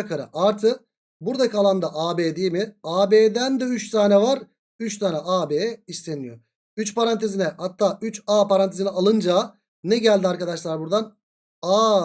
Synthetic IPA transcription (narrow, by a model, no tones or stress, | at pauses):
kʰaɾɯ̰ʔaɾt̪ʰɯ | buɾd̪akʰalˠand̪aʔaːbeːd̪ijimɪaːbeːd̪ænd̪ɛyt͡ʃsaːnɛvaɾ | yt͡ʃsaːnɛʔaːbeːɛist̪enijo | yt͡ʃpʰaɾant̪ʰezinɛhat̪ʰːaːyt͡ʃaːpaɾant̪ʰezinɛalˠɯnd͡ʒa | nɛɟælʲd̪iaɾkad̪aʃlˠaɾbuɾd̪an | aː